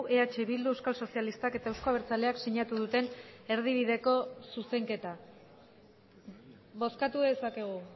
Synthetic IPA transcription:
ʔeat͡ʃe̞βild̪uewskalso̞sialist̪ake̞t̪aewsko̞aβeɾt͡sale̞aksiɲat̪uðut̪e̞ne̞ɾð̞iβ̞iðe̞ko̞suse̞ŋke̞t̪a | βo̞skat̪uðe̞sake̞ɣ̞u

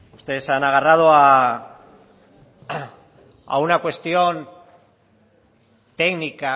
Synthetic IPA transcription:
ust̪e̞ð̞esanaɣ̞arað̞oa | a̰unakwe̞st̪io̞n | t̪e̞ɣnika

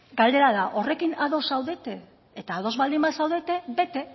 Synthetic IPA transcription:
ɡald̪e̞ɾaðaʔo̞re̞kinaðo̞sawðe̞t̪e̞ː | t̪aːð̞o̞zβald̪imbasawðet̪e̞be̞t̪e̞

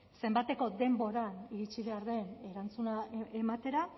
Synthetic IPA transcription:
se̞mbat̪e̞ko̞d̪e̞mbo̞ɾaniɾit͡ʃiβe̞aɾðe̞ne̞ɾant͡sunae̞mat̪e̞ɾa

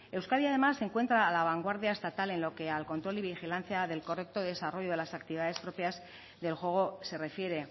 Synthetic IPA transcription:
e̞wskaðiaðe̞masːeŋkwe̞nt̪ɾaːlaβ̞aŋɡwaɾðjae̞st̪at̪ale̞nlo̞ke̞alko̞nt̪ɾo̞liβixilanθjaðe̞lkore̞k̚t̪o̞ðe̞saro̞ʝo̞ð̞e̞lasakt̪iβiðaðe̞spɾopjaz | ðe̞lxwe̞ɣ̞o̞se̞re̞fje̞ɾe̞

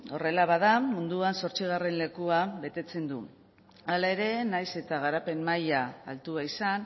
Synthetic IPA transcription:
o̞re̞laβaðamund̪uanso̞ɾt͡siɣare̞nle̞kuaβe̞t̪e̞t͡se̞nd̪ṵ | alae̞ɾe̞najse̞t̪aɣ̞aɾape̞nmaja̰ːlt̪uaisan

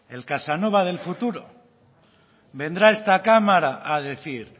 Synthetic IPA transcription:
e̞̰lkasano̞βaðe̞lfut̪uɾo̰ | be̞nd̪ɾae̞st̪akamaɾaʔaðeθiɾ

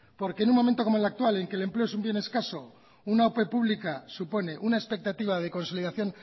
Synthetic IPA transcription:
po̞ɾke̞nunmo̞ment̪okoolak̚t̪wale̞ŋke̞lemple̞esumbje̞ne̞skaso̞ | unaope̞puβlikasupo̞ne̞ʔunaespe̞k̚t̪at̪iβ̞að̞e̞ko̞nso̞liðaθjo̞n

